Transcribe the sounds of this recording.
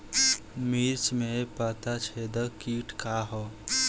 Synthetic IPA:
miɾt͡ʃmẽpaːt̪at͡ʃʰed̪əkiʈkaɦo

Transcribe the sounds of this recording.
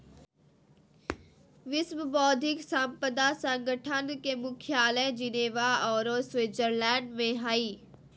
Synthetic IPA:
ʋɪsmbɔːd̪ʱɪksampəd̪asə̃ŋɡəʈʰənkemʊkʰjaːlə̃d͡ʒɪneːʋaɔːɾosweːd͡ʒəɾlɛ̃ːɳɖmẽɦaːiː

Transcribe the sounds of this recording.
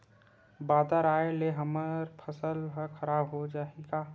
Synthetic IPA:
baːd̪aɾaːeleɦəməɾpʰəsəlɦəkʰəɾaːbɦod͡ʒaːeɡaː

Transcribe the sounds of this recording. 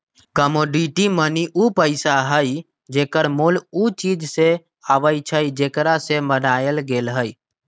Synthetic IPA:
kəmoɖiʈiməniʔupəɪsaɦəj | d͡ʒekəɾmulut͡ʃid͡ʒse | aʋəjt͡ʃʰəjd͡ʒekɾasemənajəlɡeːlɦəj

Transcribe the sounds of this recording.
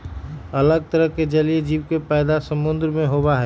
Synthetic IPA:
ɐləɡ̚t̪əɾəɦked͡ʒɐlied͡ʒiːʋkepɛːd̪asəmʊ̃nd̪ɾmẽɦoːbaɦɛ

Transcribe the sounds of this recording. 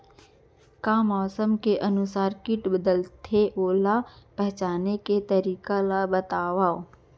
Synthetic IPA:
kaːmɔːsəmkeʔənʊsaːɾkɪʈbəd̪əlt̪ʰeʔoːlapɛɦt͡ʃaːneket̪əɾiːkalabət̪aːʋaːo

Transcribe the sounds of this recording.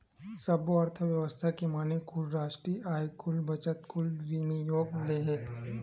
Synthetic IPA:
səboəɾt̪ʰəʋjəʋəst̪ʰakemanekʰulɾaʂʈɾiːʔajkʰulbət͡ʃət̪kʰulʋinijoɡleɦet̪

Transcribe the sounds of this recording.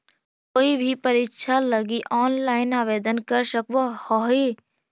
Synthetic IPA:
koːibʱipəɾitʃʰaləɡiʔɔːnlaːɪnaːʋeːd̪ənkəɾʃəkʋəhɔɦe

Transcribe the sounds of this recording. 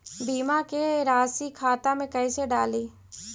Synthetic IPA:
biːmakeɾaːsikʰaːt̪amẽkɐiseɖaːliː

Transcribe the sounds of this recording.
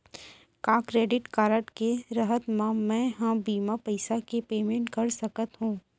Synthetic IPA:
kaːkɾeːɖɪʈkaːɾəʈkeɾɐɦət̪mãmɛ̃ɦãbiːmapɐɪsakepeːmẽɳʈkɐɾsɐkət̪ɦũː

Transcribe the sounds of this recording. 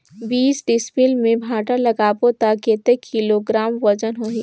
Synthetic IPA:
biːsɖɪspilmẽbʱaːʈalɐɡaːpot̪aket̪ekʰːiloɡɾaːmʋɐd͡ʒənɦoɦi

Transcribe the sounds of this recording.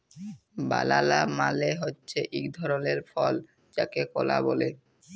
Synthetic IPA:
ba̰lalamaleɦotːɕʰeʔikd̪ʱɔɾoleɾfɔl | t͡ɕakekɔlabole

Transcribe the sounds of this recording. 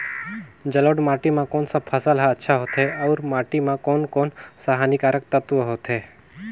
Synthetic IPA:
d͡ʒɐloːɖmaːʈimãkoːnsapʰəsəlɦaətːʃʰaɦoːt̪ʰɦeɔʊɾmaːʈimãkoːnkoːnsaɦaːnikaːɾək̚t̪ət̪ʋəɦoːt̪ʰɦeː

